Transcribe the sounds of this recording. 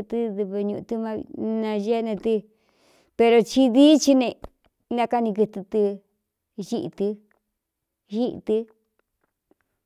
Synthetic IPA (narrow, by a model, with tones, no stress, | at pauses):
t̪ɨ˧ðɨ˧βɨ˧ɲũ˧ũ˧t̪ɨ˦mã̰˦˧nã˧ʒe˦˧nẽ˧t̪ɨ˧ | pe˧ɾo˧t͡ʃi˧ði˦t͡ʃi˧nẽ˧ | nã˧ka˧nĩ˧kɨ˧t̪ɨ˧t̪ɨ˧ | ʒi˦˧ʔt̪ɨ˧ | ʒi˦ʔt̪ɨ˧